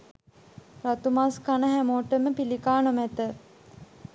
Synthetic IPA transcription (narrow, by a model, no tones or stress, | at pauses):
rat̪umaskanəɦæmoːʈəməpilikaːnomɛt̪ə